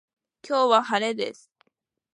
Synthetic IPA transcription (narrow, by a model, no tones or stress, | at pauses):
kʲʰo̞ːβahaɾe̞d̪e̞̰sɨ̥